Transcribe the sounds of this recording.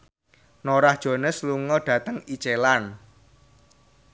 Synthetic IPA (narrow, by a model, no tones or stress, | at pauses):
noɾahd̥ʒ̥o̤nəsluŋɔɖ̥ä̤t̪əŋit͡ʃelan